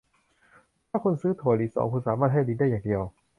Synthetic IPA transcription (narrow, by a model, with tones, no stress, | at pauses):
t̪ʰaː˥˩kʰo˧nsɯː˦˥t̪ʰuː˨˩˦liː˨˩sɔ̰ː˨˦ŋkʰu˧nsaː˨˦maː˥˩t̪̚ha˥˩jliː˧˦nda˥˩jaː˨˩ŋdi˧əw